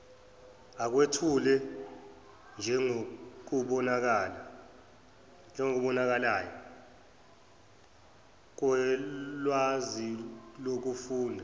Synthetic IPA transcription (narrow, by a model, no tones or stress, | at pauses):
ak̬wetʰulɛ | nd͡ʒʱɛŋok̬uɓɔnak̬ala | nd͡ʒʱɛŋok̬uɓɔnak̬alaːjɔ | k̬wɛlwazilok̬ufuːndʱa